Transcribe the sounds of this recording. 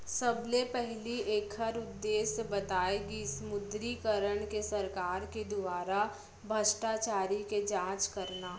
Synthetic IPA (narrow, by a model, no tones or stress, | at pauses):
sɐblepɛɦlieːkʰhəɾʊd̪ːeːsbɐt̪aːeɡisəmʊd̪ɾikəɾəɽ̃kesɐɾkaːɾked̪ʊʋaːɾa | bʱəʃʈat͡ʃaːɾiked͡ʒãːt͡ʃkɐɾnaː